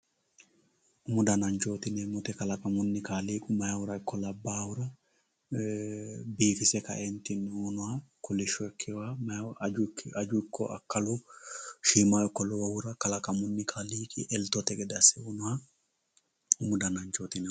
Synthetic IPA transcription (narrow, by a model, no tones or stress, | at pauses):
ʔʊmʊd̪ɐnɐnt͡ʃoːt̪ɪnɛmʊt̪ɛkɐlɐkʼɐmʊnːɪkaːliːkʼʊmɐjawʊɾɐɪkʰːɔlɐbːaːwʊɾɐ | biːfɪsɛkɐ̰ʔɛnt̪ɪnːuːnʊhakɔlɛʃɔɛkʰːɛwa | ɐd͡ʒʊɪkʰːɔ̰ʔɐ̰kːɐlʊʃiːmajɔkːɔlɔwɐwʊɾɐkɐlɐkʼɐmʊnːɪkʰaːliːkʼɪ̰ʔɛlt̪ɔt̪ɛɡɛd̪ɐsɛunʊhɐ | ʊmʊd̪ɐnɐnt͡ʃoːt̪ɪnɛ